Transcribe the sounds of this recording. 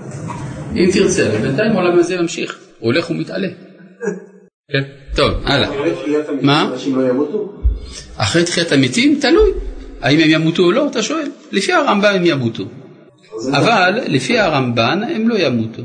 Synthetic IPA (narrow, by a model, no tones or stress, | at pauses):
ʔimt̪iʁt͡sevebent̪ajimaolamaze̞mamʃiχole̞χumitale̞ | kento̞vʔa̰la̰iatmalojamutu | ʔaχejt̪χijatamitimtalujaimemjamutuolo̞at̪aʃo̞e̞llefihaʁambamemjamutu | avalːefihaʁambanemlo̞jamut̪u